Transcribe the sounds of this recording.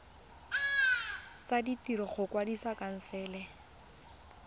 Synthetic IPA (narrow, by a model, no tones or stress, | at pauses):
t͡saditiɾɔχʊkwadisakan̩sɛːlɛ